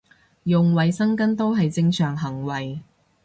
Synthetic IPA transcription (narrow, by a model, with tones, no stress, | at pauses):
jʊ˨ŋwɐ˨jsɐ˥ŋkɐ˥nt̪o˥wɦɐ˨jt͡sɪ˧ŋsœː˨˩ŋɦɐ˨˩ŋwɐ˨j